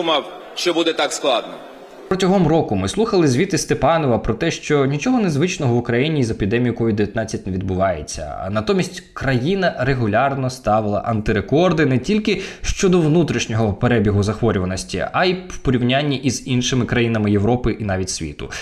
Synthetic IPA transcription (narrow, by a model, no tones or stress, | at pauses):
mɑw | ʃt͡ʃɔbud̪ɛt̪ɑksklˠɑd̪nɔ | pɾɔtʲɔɦɔmrɔkʊmɪslˠuxɐlˠɪzʲʋʲit̪ɪst̪epɑnɔʋɐpɾɔt̪ɛʃt͡ʃɔnʲit͡ʃɔɦɔnezʋɪt͡ʃnɔɦɔʋʊkɾɐjinʲiːzepʲid̪ɛmʲijʊkɔʋʲid̪d̪eʋʲjɐt̪nɑt͡sʲːɐtʲneʋʲid̪̚bʊʋɑjḛt͡sʲːɐ̰nɐt̪ɔmʲisʲtʲkɾɐjinɐɾeɦʊlʲɑrnɔst̪ɑʋɪlˠɐ̰ʔɐnt̪ɪɾekɔrd̪ɪnɛtʲilʲkɪʃt͡ʃɔd̪ɔʋnut̪ɾʲiʃnʲɔɦɔpeɾɛbʲiɦʊzɐxʋɔɾʲʊʋɐnɔsʲtʲḭɐiwpɔɾʲiʋnʲanʲːiʔizinʃɪmɪkɾɐjinɐmɪjeʋɾɔpɪʔinɑʋʲitʲsʲʋʲḭt̪ʊ̰